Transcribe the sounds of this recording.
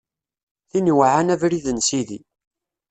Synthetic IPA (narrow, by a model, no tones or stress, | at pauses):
θiniwʕanævɾiðənsiðḭ